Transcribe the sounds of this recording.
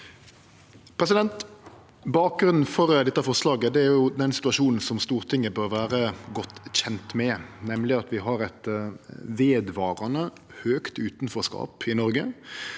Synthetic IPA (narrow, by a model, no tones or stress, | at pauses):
pʰɾɛs̬ɪd̪ɛnt̪ | bɑːk̚ɡɾʉnn̩fɔɾd̪ɛt̪ːəɑfɔʁslɑːɡəd̪ɛæɾjjʊd̪ɛnsɪ̥t̪ʉɑʃuːnn̩sɔmst̪uːʁt̪ʰɪŋːəbøɾʋæːɾəɡɔt̪ːçɛnt̪mɛnɛmlɪɑt̪ʋɪɦɑɾɛt̪ | ʋeːd̪ʋɑːɾɑnə | høːkt̪ʉːt̪nfɔɾskɑ̰ːpɪnɔɾɡə